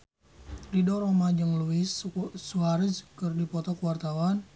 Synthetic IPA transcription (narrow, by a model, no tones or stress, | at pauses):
ridɔɾomad͡ʒəŋluɪssuaɾiskərdipɔt̪ɔkəwart̪awan